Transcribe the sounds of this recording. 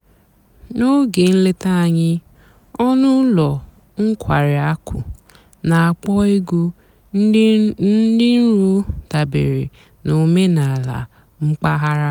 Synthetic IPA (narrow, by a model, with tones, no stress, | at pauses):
no˦ɡe˨n̩˦le˦ta˦a˨ɲɪ˦ | ɔ˦nʊ˦lɔ˨ | ŋ̩˦kʰʷa˨ɾɪ˨a˦kʰʷʊ̰˨ | na˨a˨k͡pɔ˦i˦ɡu˦ | nn̩˦dɪ˦n̩˦ɾu˦ta˨bḛ˨ɾḭ˨ | no˨me˦na˨la̰˨ | ŋ͡m̩˦k͡pa˦ɦa˦ɾa˦